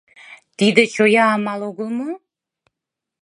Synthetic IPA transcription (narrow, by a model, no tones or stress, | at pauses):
t̪id̪ət͡ɕojɑːmɑlˠoɡə̆lˠmə